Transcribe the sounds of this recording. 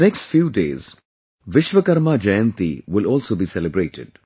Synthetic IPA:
nɛksʈfjuːɖeːz̥ | ʋɪʃʋəkɐɾmad͡ʒɐjə̃nt̪ḭʋɪlɔːlsoːbiːsɛlɪbɾeːʈʰɪ̰ɖ

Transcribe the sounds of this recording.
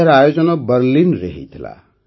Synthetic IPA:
eɾajod͡zʌnɔbʌɾlinreɦḭt̪ʰla̰

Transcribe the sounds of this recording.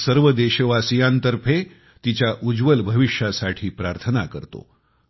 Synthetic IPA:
səɾʋəd̪eɕəʋasijant̪əɾpʰe | t̪it͡ɕjaʔud͡ʑʋəlbʱəʋiʂjasaʈʰiːpɾaɾt̪ʰənakəɾt̪o̰

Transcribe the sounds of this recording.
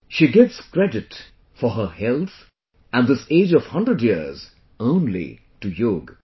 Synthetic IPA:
ʃiɡɛtskɹɛdɪt | fɔɦəhɛlˠt̪ | æ̃n̚d̪ɪseːd͡ʒɔv̥hʌ̃ndɹədjiəz | õʊ̃nlḭ | ʈujoɡ

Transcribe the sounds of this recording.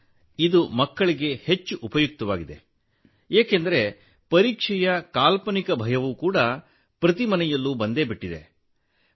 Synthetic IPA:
id̪umɐkːɐɭiɡe̞he̞t͡ʃːuʔːpɐjuk̚t̪ɐʋaːɡid̪e̞̰ | eːkend̪ɐɾe̞ | pɐɾiːkʂɛjɐkaːlpɐnikɐbʱɐjɐʋukuːɽɐ | pɾɐt̪̬imɐnɛjɐlːubɐnd̪e̞ːbiʈːid̪e

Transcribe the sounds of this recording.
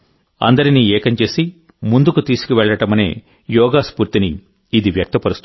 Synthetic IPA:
ɐ̰nd̪ɐɾiniːɛːkɐɲt͡ʃe̞ːsi | mund̪ukut̪iːsu̥kiʋɛɭːɐʈɐmɐne̞̰ː | jɔːɡaːspuːɾt̪iniː | d̪iʋjɐk̚t̪ɐpɐɾust̪u

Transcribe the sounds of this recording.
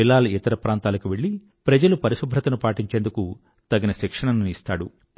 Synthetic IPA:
ilːaːlɐit̪ɐɾɐpɾaːnt̪aːlɐkuʋe̞ɭːi | pɾɐd͡ʒɐlupɐɾiʃubʱɾɐt̪ɐnupaːʈiɲt͡ʃeːnd̪uku | t̪ɐɡinɐʃikʂɐɳɐnuist̪a̰ːɽu

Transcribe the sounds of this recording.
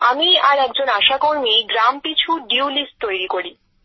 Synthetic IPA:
amiaɾɛk̚d͡ʑonaʃakoɾmiɡɾampit͡ɕʰuɖiwlisʈ̚t̪ojɾikoɾi

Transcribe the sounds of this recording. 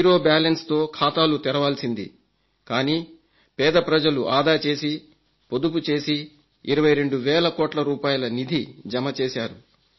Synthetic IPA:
iɾo̞ːbaːlɐnst̪o̞ːkʰaːt̪aːlut̪iɾɐʋaːlsind̪ḭ | kaːniː | pɛːd̪ɐpɾɐd͡ʒɐluʔaːd̪aːt͡ʃe̞ːsi | po̞d̪up̬ut͡ʃe̞ːsi | iɾɐʋɐjɾe̞ɳɖuʋɛːlɐkɔːʈlɐɾuːpaːjɐlɐnid̪ʱid͡ʒɐmɐt͡ʃeːsaːɾu

